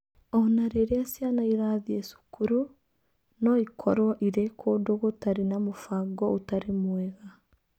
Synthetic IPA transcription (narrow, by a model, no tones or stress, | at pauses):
onaɾeɾeasjanaiɾaðiesu̥kʰuɾu | nɔikʰɔ̰ɾwɔʔiɾekʰoːdoɣotaɾinamofaɡɔutaɾemwɛɣa